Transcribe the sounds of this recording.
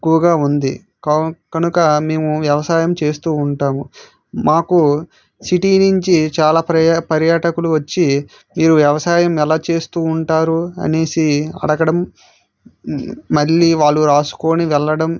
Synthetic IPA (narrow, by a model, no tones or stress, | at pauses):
ekːuʋɐɡaːund̪ḭ | kɐkɐnukɐme̞ːmuʋjɐʋɐsaːjɐmt͡ʃe̞ːst̪uːɳʈaːmu | maːku | siʈiːniɲt͡ʃit͡ʃaːlaːpɐpɐɾjaːʈɐkuluʋɐt͡ʃːi | miːɾuʋjɐʋɐsaːjɐmɛlaːt͡ʃe̞ːst̪uːɳʈaːɾuɐ̰ne̞ːsiɐ̰ɽɐɡɐɽɐm | ɐɾiʋaːɭːuɾaːsu̥ko̞ːniʋɛɭːɐɽɐm